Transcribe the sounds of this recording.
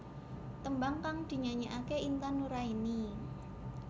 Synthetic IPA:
t̪əmbaŋkaŋd̪̥i̤ɲaɲiʔakeʔint̪anuɾaini

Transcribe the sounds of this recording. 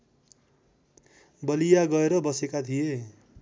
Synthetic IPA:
bʌlijaɡʌeɾʌbʌsekat̪ʰije

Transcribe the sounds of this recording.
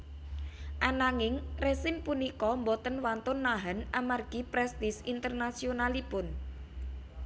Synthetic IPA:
ʔanaŋɪŋresɪmpunikɔmbɔt̪ənwant̪ʊnːaɦanʔamarɡ̥ipɾɛst̪ɪsint̪ərnasionalipʊn

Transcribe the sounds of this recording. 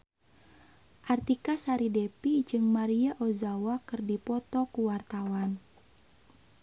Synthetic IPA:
ʔart̪ikasaɾidɛpid͡ʒɨŋmaɾiaʔozawakɨrdipɔt̪ɔkuwart̪awan

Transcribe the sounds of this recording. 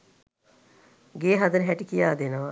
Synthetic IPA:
ɡeːɦad̪ənəɦɛʈikijaːd̪enəʋa

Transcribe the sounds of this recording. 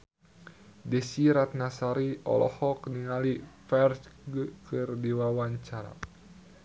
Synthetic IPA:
dɛsiɾat̪̚nasaɾiɔ̰lɔ̰hɔkniŋalifɛrt͡ʃɡkɨrdiwawaɲt͡ʃaɾa̰

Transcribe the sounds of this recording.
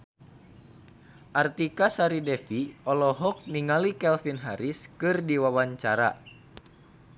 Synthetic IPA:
ʔart̪ikasaɾidɛfiɔlɔɦɔk̚niŋalikɛlfinɦaɾiskɨrdiwawaɲt͡ʃaɾa̰

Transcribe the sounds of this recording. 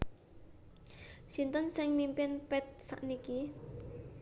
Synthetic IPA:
sint̪ənsɪŋmimpɪnpɛt̪̚sa̰ʔniki

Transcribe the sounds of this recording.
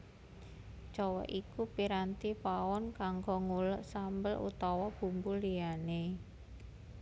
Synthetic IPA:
t͡ʃɔwɔ̰ʔikupiɾant̪ipawɔnkaŋɡɔŋuləʔsambəlṵt̪ɔwɔb̥ṳmbuliane

